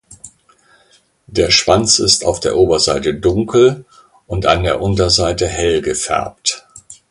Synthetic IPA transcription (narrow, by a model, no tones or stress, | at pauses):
d̥eːɐʃv̥ant͡sɪsta̰ʊfd̥eːɐʔoːbɐzaɪtədʊŋkʰl̩ | ʔʊnta̰ndeːɐʔʊntɐzaɪtəhɛlɡəfɛ̰ɐp̚t